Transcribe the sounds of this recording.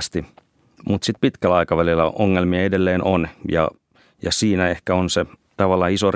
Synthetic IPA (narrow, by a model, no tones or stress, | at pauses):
st̪i | mut̪sit̪̚pit̪kælæɑikɑʋælilːæ̰oŋːelmiɑedelːeːnʔonjɑ̰ | jɑsiːnæehkæonset̪ɑʋɑlːɑisor